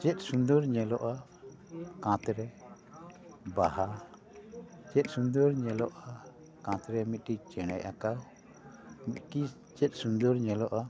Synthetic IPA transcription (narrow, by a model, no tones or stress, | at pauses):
t͡ʃɛt̪̚ˀsund̪ɔɾɲɛlɔʔa | kãt̪ɾɛ | baha | t͡ʃɛt̪̚ˀsund̪ɔɾɲɛlɔʔa | kãt̪ɾɛmit̪̚ˀkit͡ʃɛɽ̃ɛ̰jʔa̰kaw | mit̪̚ki | t͡ʃɛt̪̚ˀsund̪ɔɾɲɛlɔʔa